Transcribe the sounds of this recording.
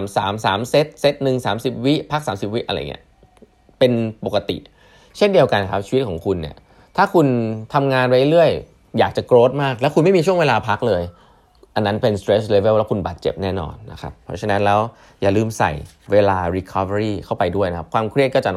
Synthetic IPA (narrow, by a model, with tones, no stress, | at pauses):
msaː˩˦msaː˩˦mse˦˥t̪̚se˦˥t̪̚nɯ˨˩ŋsaː˩˦msi˨˩p̚wi˦˥ʔpʰa˦˥k̚saː˩˦msi˨˩p̚wi˦˥ʔɾa˧j̰ŋḭ˦˥ɐ | pe˧npo˨˩ka˧t̪ḭ˨˩ʔ | t͡ɕʰe˥˩ndi˧əwka˧nkʰa˦˥p̚t͡ɕʰi˧˦˥t̪̚kʰɔː˩˦ŋkʰu˧nːi˥˩ɐ | t̪ʰaː˥˩kʰu˧nt̪ʰa˧mŋaː˧nwa˦jle˧lɯ˥˩əj | jaː˨˩k̚t͡ɕa˨˩kɾoː˦˥t̪̚maː˥˩k̚lɛ˦˥wkʰu˧nma˥˩jmiː˧u˥˩əwe˧laː˧pʰa˦˥k̚lɤː˧j | ʔa˧nːa˦˥npe˧nst̪ɾeː˦˥sleː˧be˥˩wlɛː˦˥kʰu˧nba̰ː˨˩t̪̚t͡ɕḛ˨˩p̚nɛː˥˩nɔ̰ː˧nːa˦˥kʰa̰˦˥pʰːɔ̰˦˥t͡ɕʰa˧na˦˥nlɛː˦˥w | jaː˨˩lɯː˥˩msa̰˨˩j | weː˧laː˧ɾi˧˦˥kʰɔː˦fa˧ɾiː˥˩kʰa˥˩wpa˧jdu˥˩əjna˦kʰa˦˥p̚kʰwaː˧mkʰɾi˥˩t̪̚kɔː˥˩t͡ɕa˨